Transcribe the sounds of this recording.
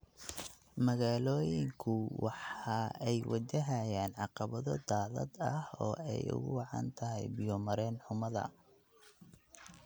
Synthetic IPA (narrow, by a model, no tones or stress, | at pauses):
mɐɣaːlɔːjɪŋkʰʊwɑħɑʔɛjwʔɐ̰d͡ʒɐɦajaːnʕɑqɑβɐðɔd̪aːðɐ̰d̪ɐhɔ̰ːɛjʊ̰ɣʊwɑʕɑ̰nt̪ʰɐɦɛjbɪjɔmɐɾɛːnħʊmɐðɐ̰